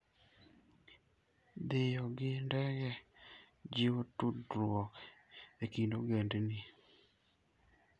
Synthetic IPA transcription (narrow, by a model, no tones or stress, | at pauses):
d̪ɪjɔɡɪndɛɡɛ | d͡ʒɪotudɾwɔkekindoɡendni